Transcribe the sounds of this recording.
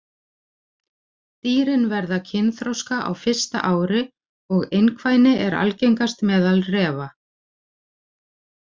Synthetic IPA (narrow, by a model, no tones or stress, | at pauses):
t̪iːɾɪnvɛɾðacʰɪnθɾowskaʔa̰wfɪr̥st̪a̰ʔaːwɾɪ | ɔɣejnkʰvaːjnɪʔɛɾa̰lcejŋkast̪mɛːðalrɛːva